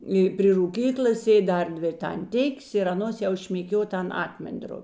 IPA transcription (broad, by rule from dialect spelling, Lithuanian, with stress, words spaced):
ɪ pʲrʲɪ ruːˈkʲiːklˠɐs ˈsʲeːtʲ ˈdɐr ˈdʲʋʲɪ ɪr tɐnʲˈtʲɪkʲeːs ɪr ɐˈnoːs jɛʊ ʃʲmʲeːˈkʲuɔ ˈtʲɛn ˈɑːkmʲɛnʲˌdroːpʲɪ